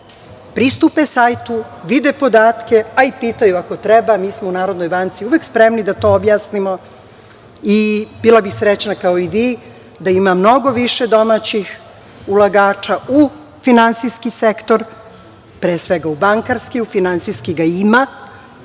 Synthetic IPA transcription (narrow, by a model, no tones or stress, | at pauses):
pɾist̪upesajt̪uʋid̪epo̞d̪aːt̪ke̞aipiːt̪ajuako̞t̪ɾɛbamiːsmounaːɾo̞d̪nojbant̪siuʋekspɾemnid̪at̪o̞objaːsnimo | ibilˠabisɾet͡ɕnakaoiʋiː | d̪aimamno̞ɡo̞ʋiʃe̞d̪o̞mat͡ɕix | ulˠaɡaːt͡ʃau | finant̪siskisekt̪o̞ɾ | pɾeːsʋeɡaubaŋkaɾskiufinant̪siskiɡaima